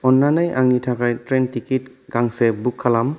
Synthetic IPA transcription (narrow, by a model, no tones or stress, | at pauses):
ɔnːanajʔaŋnitʰakajtɾentikit | ɡ̥aŋsebukʰːalam